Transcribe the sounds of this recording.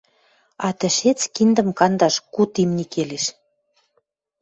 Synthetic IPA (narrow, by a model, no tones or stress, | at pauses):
ɑt̪ə̆ʃet͡skind̪ə̆mkɑnd̪ɑʃkut̪imnikeleʃ